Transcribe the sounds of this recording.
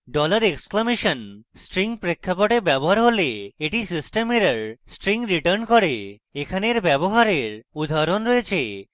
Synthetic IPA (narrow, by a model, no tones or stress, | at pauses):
ɖɔlaɾeksklameʃɔnsʈɾiŋpɾekʰːapɔʈebɛboɦaɾɦoleeʈisisʈemeɾəɾsʈɾiŋɾiʈəɾnkɔɾe | ekʰaneɾbɛboɦaɾeɾud̪ʱaɾonɾɔet͡ɕʰe